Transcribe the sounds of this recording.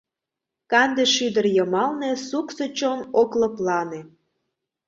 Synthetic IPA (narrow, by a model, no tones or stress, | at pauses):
kɑnd̪eʃyd̪ərjəmɑlnesuksot͡ɕonoklə̆plɑne